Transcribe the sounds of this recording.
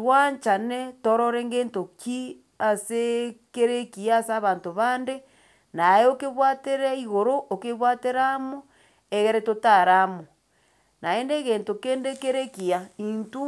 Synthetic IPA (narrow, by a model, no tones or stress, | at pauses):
twaɲt͡ʃanetoɾɔɾeŋɡeːntoki | asekeɾekiaːsaβantoβande | naeokeβwateɾaiɣoɾoʔokeβwateɾamo | eɣeɾɛtotaɾamo | nʔaendeɣeːntokeːndekeɾekiaintu